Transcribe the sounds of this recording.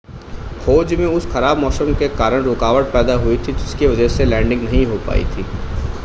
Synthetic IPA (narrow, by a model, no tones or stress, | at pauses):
xoːd͡ʒmẽʊsxɐɾaːbmɔːsəmkekaːɾəɽ̃ɾoːkaːʋəʈ̚pɛːd̪aɦuit̪ʰid͡ʒɪskiʋɐd͡ʒəɦselɛ̃ːɳɖɪ̃ŋɡnɐɦĩɦopa̰ːḭt̪ʰiː